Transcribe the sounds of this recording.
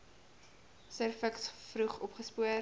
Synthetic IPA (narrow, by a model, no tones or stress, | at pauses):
sərfəksfruχɔpχəspuə